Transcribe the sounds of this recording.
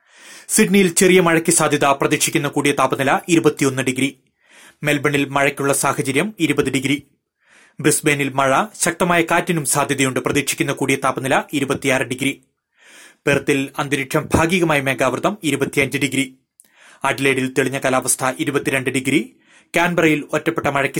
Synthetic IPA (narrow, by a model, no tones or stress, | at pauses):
siɖnijilt͡ɕerijɐmɐɻɐkʲːɨsaːd̪ʱjɐðɐprɐðiːkʂi̥kʲːunːɐkuːɽijɐt̪aːpɐnilɐʔiɾubɐt̪ːijo̞nːɨɖiɡɾi | melbɐɳilmɐɻɐkʲːuɭːɐsaːhɐt͡ɕɐɾjɐmiɾubɐðiɖiɡɾi | brisbenilmɐɻɐɕɐk̚t̪ɐmaːjɐkaːtːinumsaːd̪ʱjɐðɐjuɳɖɨprɐðiːkʂikʲːunːɐkuːɽijɐt̪aːpːɐnilɐʔiɾubɐt̪ːijaːrɐɖiɡɾi | pert̪ːilɐnd̪ɐɾiʈʂɐmbʱaːɡiːɣɐmaːjɐme̞ːɡaːʋrðɐmiɾubɐt̪ːiɐɲd͡ʑiɖiɡɾi | ɐɖileːɽilt̪iɭiɲːɐkɐlaːʋɐst̪ʰɐʔiɾubɐt̪ːiɾe̞ɳɖɨɖiɡɾi | kʲaːnbɐrɐjilotːɐpːeʈːɐmɐɻɐkʲːi